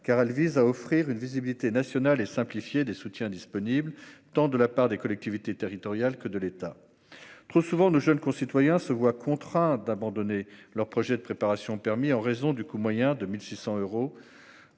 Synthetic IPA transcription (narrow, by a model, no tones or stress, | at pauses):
kaʁɛlvizaɔfχiʁynvizibilit̪enasjɔnalesɛ̃plifjed̪esut̪jɛ̃d̪ispɔniblt̪ɑ̃d̪əlapaʁd̪ekɔlɛk̚t̪ivit̪et̪eʁit̪ɔʁjalkəd̪əlet̪a | t̪χosuvɑ̃noʒənkɔ̃sit̪wajɛ̃səvwakʰɔ̃t̪χɛ̃d̪abɑ̃d̪ɔnelœʁpχɔʒɛd̪əpχepaʁasjɔ̃pɛʁmiɑ̃ʁezɔ̃d̪ykumwajɛ̃d̪əmilsisɑ̃øʁo